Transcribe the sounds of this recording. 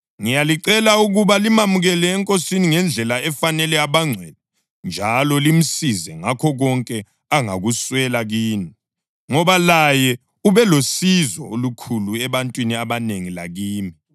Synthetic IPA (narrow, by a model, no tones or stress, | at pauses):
ŋijaliǀɛlauɣuβalimamuɣɛlɛːŋkʼosiniŋɛnd͡ɮʱɛlaɛfanɛlɛaβaŋ͡ǀʱwɛdɛ | nd͡ʒʱalɔlim̩sizɛŋakʰɔɣɔŋkʼɛ | aŋa̰ɣuswɛlaɣiːni | ŋɔβalajɛ | uβɛlosizɔ̰olukʰuluɛβantʼwiniaβaneŋila̰ɣiːmi